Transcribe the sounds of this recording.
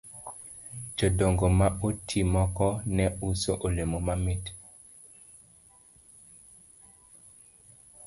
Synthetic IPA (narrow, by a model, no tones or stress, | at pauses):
d͡ʒodoŋɡomaʔotʰimɔkɔnɛusoʔolemomamit